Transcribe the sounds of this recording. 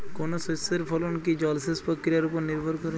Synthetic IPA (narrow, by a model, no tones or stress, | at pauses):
konososeɾpʰɔlonkid͡ʒɔlsespɔkːɾijaɾupoɾniɾbʱɔɾkɔɾe